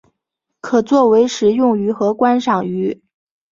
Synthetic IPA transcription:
kʰɤ˨˩t͡swɔ˥˩we˧˥ɪʂɻ̩˧˥jʊ˥˩ŋy˧˥xɤ˧˥kwa˥nʂɑ˨˩ŋy˧˥

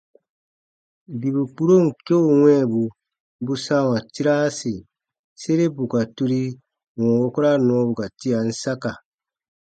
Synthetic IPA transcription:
bi˨bu˨k͡pu˦ɾo˦ŋ̩˨ke˦u˨wɛ̃˦˨bu˨ | bu˦sa˦wa˨ti˦ɾa˦si˨ | se˦ɾe˦bu˨ka˨tu˦ɾi˦ | wɔ̃˨wo˦kɔ˦ɾa˦nɔ̃˨˦bu˨ka˨ti˦ja˨n̩˦sa˦ka˨

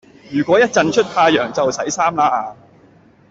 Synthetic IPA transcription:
jyː˨˩kʷwɔː˨˥jɐ˥t̚t͡sɐ˧nt͡ʃʰɵ˥t̚t̪ʰaː˧jœː˨˩ŋt͡sɐ˨wsɐ˨˥jsaː˥mlaː˧ʔaː˨˧

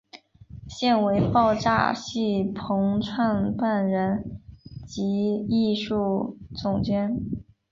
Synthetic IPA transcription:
ɕjɛ˥˩nwe˧˥ɪpɑ˥˧ʊʈ͡ʂa̰˥˧ɕi˥˩pʰɤ˧˥ŋʈ͡ʂʰwa˥˧npa˥˩nɻə˧˥nt͡ɕi˧˥i˥˧ʂu˥˩t͡sʊ˨˩ŋt͡ɕjɛ˥n

